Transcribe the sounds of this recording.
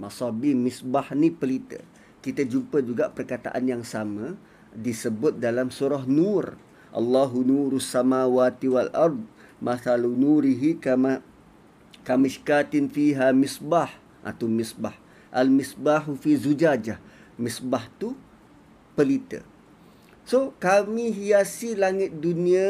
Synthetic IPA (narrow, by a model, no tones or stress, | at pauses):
masɑbimɪsbahnipəlit̪ə̰ | kit̪əd͡ʒumpəd͡ʒuɡaʔpərkat̪a̰ʔa̰njaŋsamə̃ | disəbʊt̪̚dalamsuɾɔɦnur | ʔɑ̰lˤːaɦunuːɾusːamawaːt̪iwalʔɑɾˤd̪̚ˤmaθalunuɾiɦikama | kamiʃkat̪ɪnfiɦamɪsbaħ | ʔa̰t̪amisbah | ʔalmɪsbaħufizud͡ʒad͡ʒa | mɪsbaht̪u | pəlit̪ə̰ | sokamiɦijasilaŋɪt̪̚dunia